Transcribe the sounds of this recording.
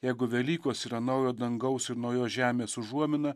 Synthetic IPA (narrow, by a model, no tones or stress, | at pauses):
jɛɪɡʊʋʲɛlʲiːkoːsiːɾɐnɐʊjoːd̪ɐŋɡɐʊsɪɾnɒʊjoːsʒʲæːmʲeːsʊʒuɔmʲɪnɐ